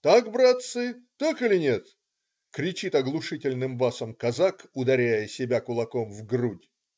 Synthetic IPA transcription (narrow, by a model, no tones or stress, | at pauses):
t̪akbɾat̪sɨt̪akɨlʲɪnʲet̪ | kɾʲɪt͡ɕit̪ɐɡlˠʊʂɨtʲɪlʲnɨmbasəmkɐzakʊd̪ɐɾʲæjəsʲɪbʲakʊlˠɐkomvɡrudʲ